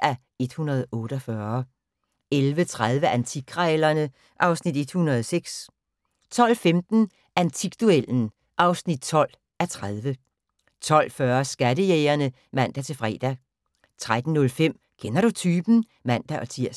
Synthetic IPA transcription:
ʔæ | e̝d̥hunɐð̞̩ˠɔ̽ːɾ̥ɒfɶːɐ | elʋət͡sʰʁað̞ˠʋəʔænt͡sʰiɡ̥ʰʁɛlɐnə | ʔɑ̈ʊsnid̥e̝d̥hunɐð̞ˠseɡ̥s | t͡sʰɒ̽l̰femd̥n̩ | ʔænt͡sʰiɡ̥̚d̥uel̰n̩ | ʔɑ̈ʊsnid̥̚t͡sʰɒ̽l̰ | æt͡sʰʁað̞ˠʋə | t͡sʰɒ̽l̰fɶːɐsɡ̥æɾəjeːɐnə | mæn̰d̥æt͡sʰe̝lfʁɛ̰ːd̥æ | t͡sʰʁad̥n̩ːɔ̽lfem̰ | kʰenɐɾ̥ut͡sʰyːb̥n̩ | mæn̰d̥æʔɒ̽t͡sʰiɐ̰

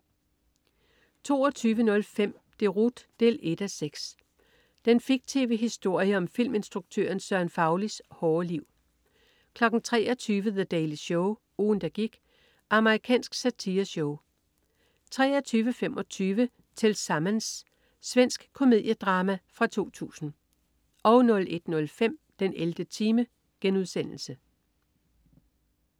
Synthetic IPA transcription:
t͡sʰo̝̰ːɒt͡sʰyːʋənɔ̽lfem̰ | d̥e̝ʁud̥ːe̝le̝d̥æseɡ̥s | d̥enfiɡ̥̚t͡sʰeʋeɦisd̥o̝ɐ̰jəɒ̽mfil̰me̝nsd̥ʁuɡ̥̚t͡sʰø̰ɐnsɶɐnfɑ̈ʊlishɒːliʊ̰ | kʰlɒ̽ɡ̥n̩t͡sʰʁɛ̰ːɒt͡sʰyːʋəðəd̥ɛɪliɕɔʊ | uːnd̥æɡ̥iɡ̥ | ʔɑ̈məʁikʰɛ̰ːnsɡ̥sæt͡sʰiːɐɕɔʊ | t͡sʰʁɛ̰ːɒt͡sʰyːʋəfem̰ʔɒ̽t͡sʰyːʋə | t͡sʰe̝lsɑ̈mənsː | ʋen̰sɡ̥kʰo̝me̝ð̞ˠjəd̥ʁɑ̈ːmæfʁɑ̈t͡sʰo̝̰ːt͡sʰṵːsn̩ | ʔɒ̽ʊnɔ̽lʔe̝d̥nɔ̽lfem̰d̥enʔeld̥ət͡sʰiːmə | ɡ̥enuð̞ˠsen̰l̩sə

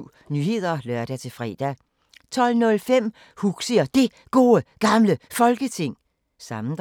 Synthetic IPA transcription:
nyhe̝ð̞̰ˠɐlœɐ̰d̥æt͡sʰe̝fʁɛ̰ːd̥æ | t͡sʰɒ̽l̰nɔ̽lfem̰ | huɡ̥siɐd̥e̝ | ɡ̥o̝ːəɡ̥ɑ̈mləfɒ̽lɡ̥ət͡sʰe̝ŋ̰ | sɑ̈mn̩d̥

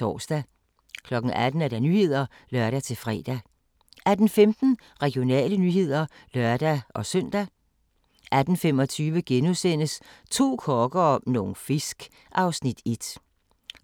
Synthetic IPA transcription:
ɒ̰ːsd̥æ | kʰlɒ̽ɡ̥ŋ̩ʔæd̥n̩æɐɾ̥ænyhe̝ð̞̰ˠɐ | lɶɐɾ̥æt͡sʰe̝lfʁɛ̰ːd̥æ | æd̥n̩femd̥n̩ | ʁɛɡ̥jo̝nɛ̰ːlənyhe̝ð̰ˠɐ | lœɐd̥æɒ̽sœn̰d̥æ | ʔæd̥n̩femɒ̽t͡sʰyːʋəɡ̥enusen̰əst͡sʰo̝̰ːkʰɒːɡ̥ɐnoːn̩fesɡ̥ | ʔɑ̈ʊsnid̥e̝d̥

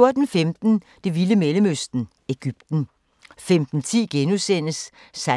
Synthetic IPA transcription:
oɐd̥n̩femd̥n̩ | d̥e̝ʋiləmeləmøsd̥n̩ | e̝ɡ̥yb̥̚d̥n̩ | femd̥n̩t͡sʰḭːɡ̥enusen̰əsː | æ

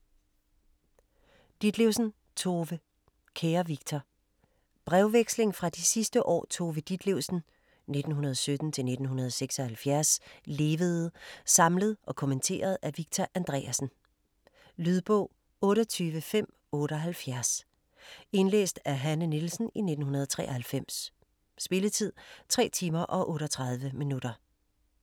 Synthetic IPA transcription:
d̥id̥leʊsn̩ | t͡sʰo̝ːʋə | kʰeːɐʋiɡ̥̚t͡sʰɒ | b̥ʁɛʊʋeɡ̥sle̝ŋfʁɑ̈d̥isisd̥əʔɒ̰ːt͡sʰo̝ːʋəd̥id̥leʊsn̩ | ne̝d̥n̩ɦunɐð̞ˠɒsød̥n̩t͡sʰe̝lne̝d̥n̩hunɐð̞ˠɒseɡ̥sɒ̽hælfjæɐsle̝ːʋəð̞̩ˠsɑ̈mləð̞ˠʔɒ̽kʰomənt͡sʰe̝̰ːɐð̞̩ˠæʋiɡ̥̚t͡sʰɒʔænd̥ʁɛːæsn̩ | lyð̞ˠb̥ɔ̰ʊ̰ | ɔ̽ːɾɐt͡sʰyːʋəfem̰ | ɔ̽ːɾ̥əɒɦælfjæɐs | e̝nlḛːsd̥æɦænənilsn̩ine̝d̥n̩hunɐð̞ˠɒt͡sʰʁɛ̰ːɐhælfem̰s | sb̥e̝lət͡sʰið̞̰ˠt͡sʰʁɛ̰ːt͡sʰiːmɐʔɒ̽ʔɔ̽ːɾɒt͡sʰʁɑ̈ðˠʋəminud̥ɐ

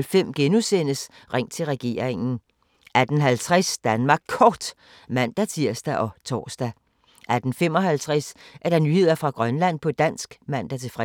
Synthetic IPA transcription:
lfem̰ɡ̥enusen̰əs | ʁeŋ̰t͡sʰe̝lʁɛɡ̥e̝ɐ̰ʁeŋn̩ | æd̥n̩ɦælt͡sʰʁɛsd̥ænmɑ̈ːɡ̥̚kʰːɒːd̥ | mæn̰d̥æt͡sʰiɐ̰sd̥æʔɒ̽t͡sʰɒ̰ːsd̥æ | ʔæd̥n̩fem̰ɒ̽hælt͡sʰʁɛsʔæɐɾ̥ɑ̈nyhe̝ð̰ˠɐfʁɑ̈ɡ̥ʁɶnlæn̰pʰɒ̽d̥æn̰sɡ̥mæn̰d̥æt͡sʰe̝fʁɛ

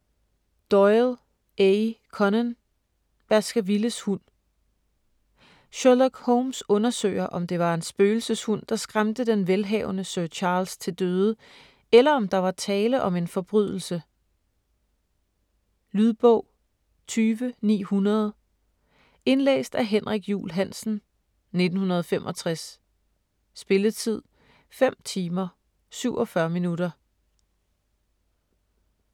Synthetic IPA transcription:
d̥ɒɪl | ekʰɒnən | b̥æsɡ̥æʋiləshun̰ | ɕolɒɡ̥hɔʊmsɔ̽nɐsø̰ɪɐʔɒ̽md̥e̝ʋɑ̈e̝nsb̥øːl̩səshun̰d̥ɑ̈sɡ̥ʁamd̥əd̥enʋelɦɛ̰ʊnəsɶɐt͡ɕʰɑ̈ːlst͡sʰe̝ld̥øːðˠə | elɐɒ̽md̥ɑ̈ʋɑ̈t͡sʰɛːləʔɒ̽me̝nfɒ̽b̥ʁyðˠl̩sə | lyðˠb̥ɔ̰ʊ̰ | t͡sʰyːʋənḭːhunɐð̞ˠ | e̝nlḛːsd̥æɦenʁaɡ̥jṵːlɦæn̰sn̩ | ne̝d̥n̩hunɐð̞ˠɒfemʔɒ̽t͡sʰʁas | sb̥e̝lət͡sʰið̞̰ˠ | fem̰t͡sʰiːmɐ | syʊʔɒfɶɐminuɾɐ

